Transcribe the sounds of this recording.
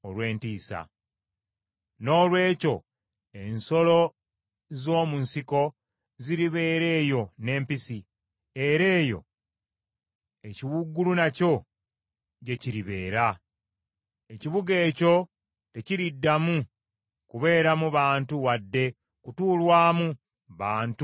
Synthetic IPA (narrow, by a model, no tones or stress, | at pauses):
olwe̞ːntiːsa̰ | no̞ːlwe̞ːco̞ | e̞nso̞lo̞ | zo̞ːmunsiko̞ | ziɾiβe̞ːɾe̞ːjo̞ne̞ːmpisi | e̞ɾe̞ːjo̞̰ | e̞ciwuɡulunaco̞ | ɟe̞ciɾiβe̞̰ːɾa | eciβuɡe̞ːco̞ | te̞ciɾidːamu | kuβe̞ːɾamuβaːntuwadːe̞ | kutuːlwaːmu | βaːnt